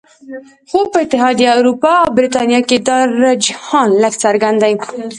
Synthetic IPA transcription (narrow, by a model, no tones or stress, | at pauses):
xopəɪt̪ɪɦɑd̪iawɾupɑawbɾit̪ɑnjɑked̪ɑɾad͡ʒhɑnləkt͡saɾɡand̪a